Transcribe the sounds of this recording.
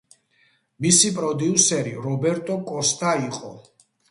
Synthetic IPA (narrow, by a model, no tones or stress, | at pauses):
misipʼɾɔd̪iusɛɾiɾɔbɛɾt̪ʼɔkʼɔst̪ʰʼaiqʼɔ